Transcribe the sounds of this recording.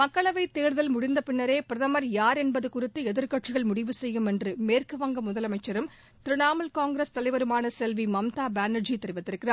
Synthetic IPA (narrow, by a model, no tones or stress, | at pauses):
mɐkːɐɭɐʋɐɪt̪ːeːɾðɐlmʊɽɪnd̪ɐpɪɳːɐɾeːpɪɾɐðɐmɐɾjaːɾɛnbɐðɯkʊrɪt̪ːɯɛðɪɾkɐʈt͡ʃɪɣɐɭmʊɽɪʋɯsɛjːɯmɛndrɯmeːrkɯʋɐŋɡɐmʊðɐlɐmɐɪt͡ʃːɐɾɯm | t̪ɪɾɪnaːmɐlkaːŋɡɾɐst̪ɐlɐɪʋɐɾɯmaːnɐsɛlʋimɐmt̪aːbaːnɐd͡ʒit̪ːɛɾɪʋɐt̪ːɪɾɯkːɪraː